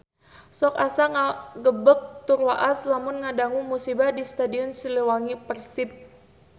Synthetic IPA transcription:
sɔkasaŋaɡəbək̚t̪urwaʔaslamʊnŋadaŋumusibahdist̪adiɔnsiləwaŋipərsip̚

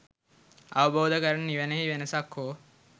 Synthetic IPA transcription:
aʋəboːd̪əkəɾənniʋənəɦiʋenəsakhoː

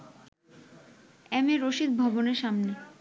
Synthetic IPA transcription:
ɛmeɾoʃid̪̚bʱɔboneɾʃamne

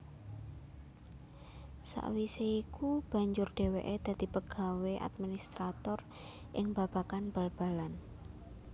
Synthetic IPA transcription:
sa̰ʔwiseikub̥a̤ɲd͡ʒʊrɖ̥e̤weʔed̪̥a̤d̪̥i̤pəɡ̥a̤weʔa̰t̪̚minist̪ɾat̪ɔr | ʔɪŋb̥ab̥a̤kanb̥əlb̥alan

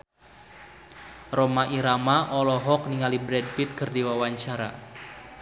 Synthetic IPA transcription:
rɔmaʔiɾamaʔɔlɔɦɔk̚niŋalibɾɛd̚fit̪̚kɨrdiwawaɲt͡ʃaɾa̰

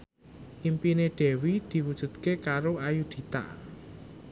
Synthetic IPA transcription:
ʔimpineɖ̪̥ɛ̤wid̪̥i̤wud̥ʒ̥ṳt̪kekaɾoajud̪̥i̤t̪a̰ʔ

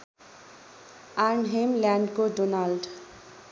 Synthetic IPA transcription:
aɾnɦemljaɳɖkoɖonalɖ

